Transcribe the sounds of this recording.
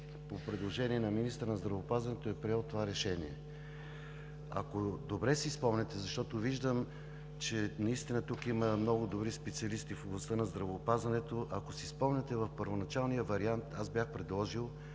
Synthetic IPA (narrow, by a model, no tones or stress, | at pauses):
popɾɛd̪lˠoʒɛniɛnɐminist̪əɾnɐzd̪ɾɐvoːpazvɐnɛt̪oɛpɾiɛlˠt̪ovaɾɛʃɛniɛ | ɐ̰kod̪obɾɛsispɔmnɛt̪ɛzɐʃt̪ɔt̪oviʒd̪əm | t͡ʃɛnɐist̪inət̪ukiməmnɔɡʊd̪obɾispɛt̪siɐlist̪ifoblˠɐst̪ənɐzd̪ɾɐvoːpazvɐnɛt̪oʔɐkosispɔmnɛt̪ɛvɐfpəɾvonɐt͡ʃalˠnijəvɐɾiant̪azbjaxpɾɛd̪lˠɔʒilˠ